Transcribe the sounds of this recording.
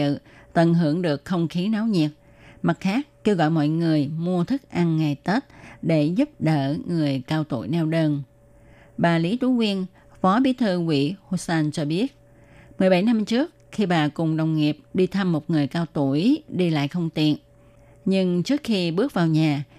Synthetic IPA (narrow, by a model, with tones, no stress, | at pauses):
ɨ̰˧˨t̪ə˧˩nɦɨ˧˩əŋɗɨ˨˩ək̚xə˧wŋ͡mxi˨˦na˨˦wɲi˨˩ət̚ | ma˨˩t̚xaː˦˥k̚ke˧wɣɔ̰˧˨jmɔ̰˧˨jŋɨ˨˩əjmu˧ət̪ʰɨ˦˥k̚ʔa˧ŋŋa˨˩jt̪ə˦˥t̚ɗe˧˩zʊ˦˥p̚ɗə̰ː˧˩ŋɨ˨˩əjkaː˧wt̪ṵ˧˩jnɛ˧wɗəː˧n | ɓaː˨˩li˨˦t̪u˧˩˦kwi˧ən | fɔ˨˦ɓi˨˦t̪ʰɨ˧wḭ˧˥ho˧sɛː˧nt͡ɕɔ˧ɓi˦˥ət̚ | mɨ˨˩əjɓa˧˩jna˧mt͡ɕɨ˦˥ək̚xi˧ɓaː˨˩kʊ˨˩ŋ͡mɗə˨˩wŋ͡mŋi˨˩əp̚ɗi˧t̪ʰa˧mːo˨˩t̚ŋɨ˨˩əjkaː˧wt̪u˧˩əjɗi˧la̰ː˧˨jxə˧wŋ͡mt̪ḭ˧˨ən | ɲɨ˧ŋt͡ɕɨ˦˥ək̚xi˧ɓɨ˦˥ək̚vaː˨˩wɲaː˨˩